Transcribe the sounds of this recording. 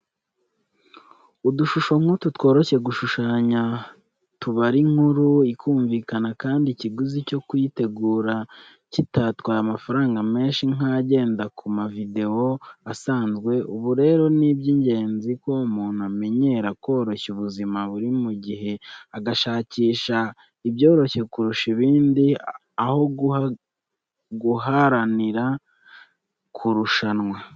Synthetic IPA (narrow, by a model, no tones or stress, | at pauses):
uduʃuʃo̞ŋ̥hututwo̞ːɾo̞çe̞ɡuʃuʃaːɲa | tuβaɾiŋ̥huɾuikʰuːɱviːkanakaːndiciɡuzico̞kujite̞ɡuːɾa | citatwaamafaɾaːŋɡame̞ːnʃiŋ̥aɟe̞ːndakumavide̞o̞asaːnzɡwe̞ʔuβuɾe̞ːɾo̞nibɟiːɲɟe̞ːnzikwomuːn̥uame̞ɲe̞ɾako̞ːɾo̞çuβuzimaβuɾimuɟiɦe̞aɡaʃaːciːʃa | ibjo̞ːɾo̞çe̞kuɾuʃiβiːndi | aho̞ɡua | ɡuɦaɾaniɾa | kʰuɾuʃanwa